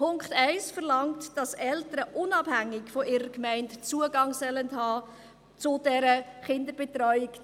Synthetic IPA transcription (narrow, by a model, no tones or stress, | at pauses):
pʰʊŋkχtɛɪsfəʁlɑŋtd̥ɑsɛltəɾəʔʊnɑb̥hæŋːɪkfɔʔɪːɾəkmɛɪntt͡suəɡɑŋsœləndhɑː | t͡sʊd̥ɛɾəχɪndəɾb̥etɾɔʏɪk